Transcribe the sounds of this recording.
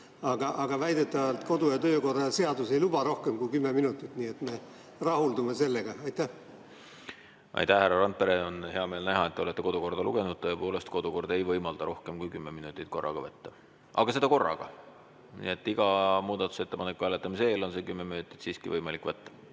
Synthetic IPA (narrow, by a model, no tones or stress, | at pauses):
ɑɡɑʔɑɡ̥ɑvæjd̪et̪ːˑɑvɑlt̪ko̞d̪ujɑt̪øːko̞rːɑɑse̞ɑd̪use̞jlubɑɾo̞hkemkujkymːeminut̪ːˑit̪nie̞t̪me̞ | rɑhuld̪umese̞lːeɡ̥ɑɑjt̪æh | ʔɑ̰jt̪æhhærːɑɾɑnt̪̚pe̞ɾeonhe̞ɑme̞ːlnæɦɑet̪ːeo̞le̞t̪ːe̞ko̞d̪uko̞rd̪̥ɑlṵɡ̥e̞nud̥̪̚t̪ɤːepo̞ːle̞st̪ko̞d̪̥uko̞rd̪e̞jvɤjmɑld̪ɑɾo̞hke̞mkujkymːeminut̪ːˑit̪̚ˑko̞rːɑ̰ɡ̥ɑvət̪ːe̥ | ʔɑ̰ɡ̥ɑse̞d̪ɑko̞rːɑ̰ɡ̥ɑ̰ | nḭe̞t̪ːˑiɡ̥ɑmuːd̪̥ɑt̪ːˑu̥se̞t̪ːe̞pɑnekːˑvælet̪ːˑɑmis̬eeːlo̞nse̞kymːe̞minut̪ːˑi̥t̪siːskivɤjmɑlikːvæt̪ːɑ̥